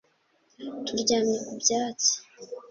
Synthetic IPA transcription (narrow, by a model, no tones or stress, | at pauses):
tuɾɟaːnekubɟaːt͡si̥